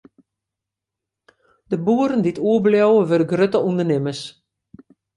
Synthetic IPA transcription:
d̥əbuəɾəndituəbljowəʋødəɡrøtəundərnɪməs

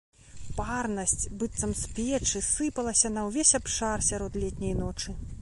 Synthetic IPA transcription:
parnɐsʲt͡sʲbɨt̪sɐmspʲlʲɛt͡ʂɨsɨpɐlˠɐsʲɐnɐwvʲesʲapʂarsʲaɾɔt̪lʲɛt̪ʲnʲɐjnɔt͡ʂɨ

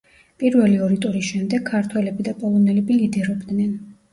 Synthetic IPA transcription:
pʼiɾvɛliɔɾit̪ʼɔɾisʃɛmd̪ɛɡʰːaɾt̪ʰwɛlɛbid̪apʼɔlˠɔnɛlɛbilid̪ɛɾɔbd̪nɛn

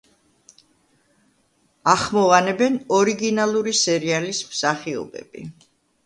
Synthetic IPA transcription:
aχmɔanɛbɛnɔɾiɡinalˠuɾisɛɾialismsaχiɔ̰bɛ̰b̥ḭ

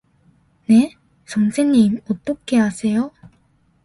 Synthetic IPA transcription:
ne̞ | t͡ɕʌŋsʰenːimot͈ok͈ʰːe̞was͈ʰe̞jo

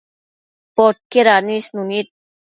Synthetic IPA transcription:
pɔʈ̚keɾanisnunit̪̚

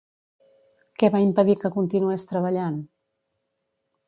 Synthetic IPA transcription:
kɛβaimpəðikəkunt̪inuɛst̪ɾəβəʎan

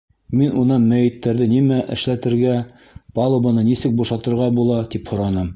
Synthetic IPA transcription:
minunɑnmæjɘ̆t̪ːæɾðɘnimæʔɘ̆ʃlæt̪ɘ̆ɾɡæ | pɑlˠobɤnɤnisɘk̚buʃɑt̪ɤ̆ɾʁɑbulˠɑt̪iphŏɾɑnɤm

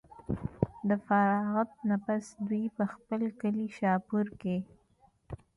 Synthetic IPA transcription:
d̪əfaɾɑɣat̪̚napasd̪wujpəxpəlkəliʃɑpuɾke

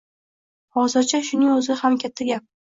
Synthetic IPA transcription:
hɒzɪɾt͡ʃʰaʃʊnɪŋɵzɪhamkʲʰat̪ʰːaɡʲap̚

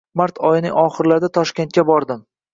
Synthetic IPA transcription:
maɾt̪ʰɒjɪnɪŋɒχɨɾlaɾd̪at̪ʰɒʃkʲe̞nt̪kʲabɒɾd̪ɪm

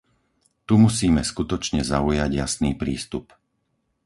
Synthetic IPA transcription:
t̪umusiːmɛskut̪ɔt͡ʃɲɛzaujaɟja̰sniːpɾiːst̪up

